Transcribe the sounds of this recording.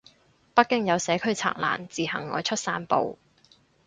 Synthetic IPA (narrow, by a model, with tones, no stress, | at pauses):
pɐ˥kːɪ˥ŋjɐ˨˧wsɛː˨˥kʰɵ˥ɥt͡sʰa̰ː˨k̚la̰ː˨˩nt͡siː˨˩hɐ̰˨˩ŋːɔː˨˧jt͡ʃʰɵ˥t̚saː˧npo̰˨˧w